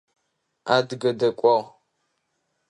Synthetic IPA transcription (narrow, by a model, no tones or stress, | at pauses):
aːdɨɡɐdɐkʷʼɔʁ